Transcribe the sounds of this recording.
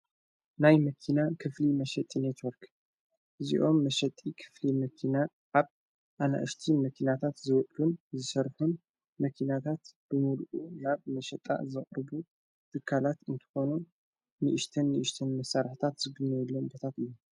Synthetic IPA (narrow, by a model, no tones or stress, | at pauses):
najmɐkʰinakʰɨflimɐʃɐt̪ʼːinet̪wɔɾk | ʔɨzḭʔo̞mːɐʃɐt̪ʼːikʰɨ̥flimɐkʰina | ʔaβ | ʔana̰ʔɨʃt̪ʰimɐkʰinat̪ʰat̪zɨwɔʔʼlunzɨsɐɾħun | mɐkʰinat̪ʰat̪b̥ɨmulʔunaβmɐʃɐt̪ʼa̰zɨχʼɾbu | t̪ʰɨkʰːalat̪ɨnt̪ʰɨ̥xo̞nu | nɨʔɪʃt̪ʰɨnːɨʔɨʃt̪ʰɨnmɐsːaɾħt̪ʰat̪zɨɡɨnːɐlːombot̪ʰat̪ɨjːu